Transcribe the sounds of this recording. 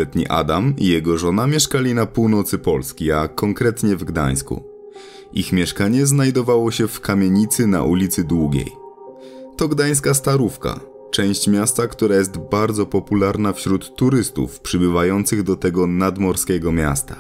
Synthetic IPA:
ɛt̪ɲḭʔa̰d̪amḭjɛɡɔʐɔnamʲjɛʂkalʲinapuwnɔt̪sɘpɔlskʲiakɔŋkɾɛt̪ɲɛvɡd̪a̰j̃skṵ | ʔixmʲjɛʂkaɲɛznajd̪ɔvawɔɕɛfkamʲjeɲit̪sɘna̰ʔulʲit̪sɘd̪wuɡʲḛj | t̪ɔɡd̪aj̃s̬kast̪aɾufka̰ | t͡ʂɛ̃w̃ɕt͡ɕmʲjast̪akt̪uɾajɛst̪baɾd̪zɔpɔpulaɾnafɕɾut̪ːuɾɘst̪ṵfpʂɘbɘvajɔnt̪sɘɣd̪ɔt̪ɛɡɔnad̪mɔɾskʲɛɡɔmʲja̰st̪a

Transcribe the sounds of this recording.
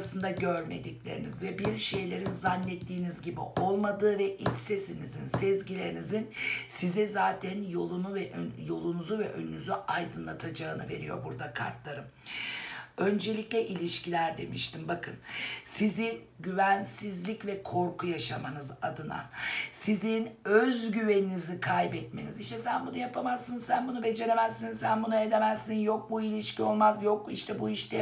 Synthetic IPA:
sɯnd̪aɟøɾme̞̰d̪iclʲeɾḭnizvɛbiɾʃe̞jlʲe̞ɾinzanːʲɛt̪ʰːiːnizɟibḭʔo̞lˠmad̪ɯːvɛʔitʲsesinizinsɛzɟilʲe̞ɾinizinsizɛzaːt̪ʰænjo̞lˠunuvɛjo̞lˠunuzuvɛʔø̞̰nynyzyajd̪ɯnlˠat̪ʰad͡ʒaːnɯve̞̰ɾijo̞̰ɾbuɾd̪akʰa̰ɾt̪lˠaɾɯm | ø̞nd͡ʒe̞lʲicʲlʲɛʔilʲiʃcilʲæɾd̪e̞miʃt̪ʰimbakʰɯnsizin | ɟyvænsizlʲicvɛkʰo̞ɾkʰujaʃamanɯzad̪ɯna̰sizinøzɟyve̞ninizikʰajbɛt̪me̞̰niziʃt̪ʰɛsænbunujapʰamazːɯnsænbunube̞d͡ʒe̞ɾe̞mæzːinsænbunae̞d̪e̞mæzːinjo̞k̚builʲiʃcʰio̞lˠmazjo̞k̚iʃt̪ʰɛbuiʃt̪ʰɛ

